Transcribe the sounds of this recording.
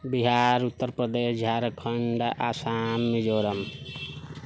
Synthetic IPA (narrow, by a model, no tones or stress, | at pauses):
biɦaɾut̪ːəɾpɾəd̪esd͡ʒʱaɾkʰəɳɖʔasamːed͡ʒoɾəm